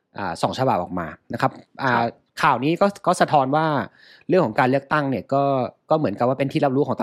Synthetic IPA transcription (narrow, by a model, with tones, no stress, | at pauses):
ʔa̰ː˨˩sɔ̰ː˩˦ŋt͡ɕʰa˧ba˨˩p̚ʔɔ̰ː˨˩k̚ma̰ː˧na˦˥kʰa˦˥p̚ʔaː˧˨˩ | kʰaː˨˩wniː˦˥kɔː˥˩kɔː˥˩sa˧t̪ʰɔː˧nwaː˥˩ | ɾɯ˥˩əŋkʰɔ˩˦ŋkaː˧nlɯ˥˩ək̚t̪a˥˩ŋni˥˩ɐkɔː˥˩kɔː˥˩mɯ˩˦ənka˨˩p̚waː˥˩pe˧nt̪ʰiː˥˩la˦˥p̚ɾuː˦˥kʰɔː˩˦t̪